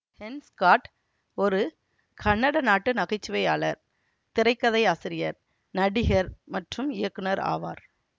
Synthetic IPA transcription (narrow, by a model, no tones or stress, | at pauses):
hɛnskaːʈ | ɔɾɯ | kʰɐɳːɐɽɐnaːʈːɯnɐɣɐt͡ʃːɯʋɐjaːɭɐɾ | t̪ɪɾɐɪkːɐðɐɪaːsɪɾɪjɐɾ | nɐɽɪɣɐɾmɐʈrɯmɪjɐkːɯnɐɾa̰ːʋa̰ːɾ